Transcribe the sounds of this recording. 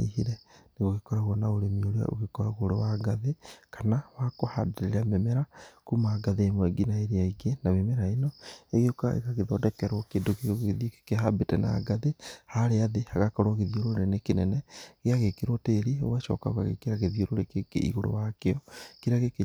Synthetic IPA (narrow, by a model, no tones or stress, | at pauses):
ḭhiɾɛneɣoɣekɔɾaɣwɔnaoɾemioɾea̰ʔo̰ɣekɔɾaɣoɾowaɡaðekanawakoha̰deɾeɾamemɛɾakumaːɡaðeːmwɛɡinaeɾeaiɡenamemɛɾaenɔeɣeokaḛɣaɣeðɔdɛkɛɾwɔkendokeɣoɣeðjokkehabetɛna̰ɡaðehaɾeaðehaɣakɔɾwoɣeðioɾoɾenekenɛnɛɣeaɣekeɾwɔteɾio̰waʃɔ̰kaoka̰ɣḛkeɾaɣeðioɾoɾekekḛḭɣoɾo̰wakeɔkeɾaɣeke